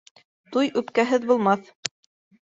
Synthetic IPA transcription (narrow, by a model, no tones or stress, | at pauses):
t̪ujʉpkæɦɘðbulˠmɑθ